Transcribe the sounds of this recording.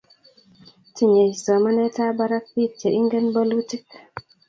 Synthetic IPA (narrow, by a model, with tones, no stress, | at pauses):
ti˨ɲe˨jsɔ˨ma˦ne˦ta˦ba˦ɾa˦k̚pi˦te˨ʔi˦ŋɡe˦nbo˦lu˦ti˦k